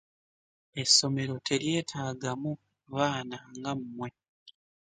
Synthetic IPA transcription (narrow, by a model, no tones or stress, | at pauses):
e̞sːo̞me̞ɾo̞tʰe̞ɾje̞ːtʰaːɡamu | βaːnaŋɡamumwe̞